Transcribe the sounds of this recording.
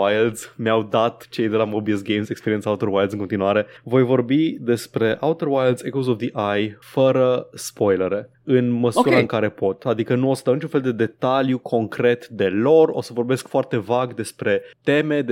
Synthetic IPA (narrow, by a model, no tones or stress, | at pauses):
ajld̪z̥mjawd̪at̪t͡ʃe̞jd̪e̞lamobisɡejmsekspeɾient̪saut̪oɾwajld̪zɨŋkont̪inuaɾe̞vo̞jvo̞rbid̪e̞spɾe̞ʔawt̪oɾwajld̪zekozofd̪iʔajfəɾəspo̞jleɾe̞ | ɨnməsuɾaɨŋkaɾe̞po̞t̪ad̪ikənuo̞səd̪awnit͡ʃũnfeld̪e̞d̪e̞t̪aljukʰo̞ŋkɾe̞t̪d̪e̞lo̞ro̞səvo̞rbe̞skfoart̪e̞vaɡd̪e̞spɾe̞t̪e̞me̞d̪